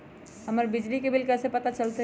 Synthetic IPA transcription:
ɦəməɾbɪd͡ʒlikebʱɪlkɛːsepət̪at͡ʃəlt̪e

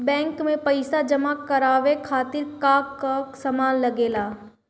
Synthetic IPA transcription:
bɛ̃ːŋkmẽpɐɪsad͡ʒɐmakɐɾaːʋekʰaːt̪ɪɾkaːkːasɐmaːnlɐɡeːlaː

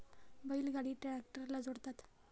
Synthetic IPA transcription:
bəilɡaɽiːʈak̚ʈəɾlad͡zoɽt̪at̪

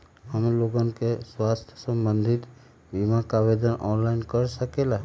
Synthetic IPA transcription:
ɦəmloɡənkeswast̪ʰjə̥sə̃mbənd̪ʱit̪ | bimakabed̪ənʔɔnlaɪnkəɾsəkela

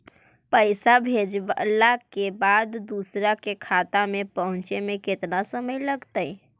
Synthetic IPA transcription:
pəɪsabʱed͡ʒalakebad̪ːusɾakekʰat̪amẽpəɦʊ̃nt͡ʃemẽkɪt̪nasəməjləɡt̪əj

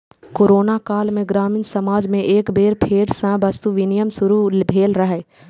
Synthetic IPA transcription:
koːɾoːnakaːlmẽɡɾaːmiːnsɐmaːd͡ʒmẽʔeːkbeːɾpʰeːɾsãbɐst̪uʋɪnijəmsʊɾulbʱeːlɾɐɦɛː

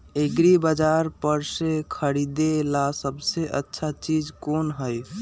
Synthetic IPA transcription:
eɡɾibəd͡ʒaɾpəɾsẽkʰəɽid̪elasəbseʔə̰tːʃʰat͡ʃid͡ʒkonɦəj

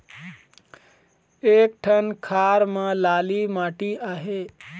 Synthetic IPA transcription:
eːk̚ʈʰənkʰaːɾmə̃laːlimaːʈiaːɦe

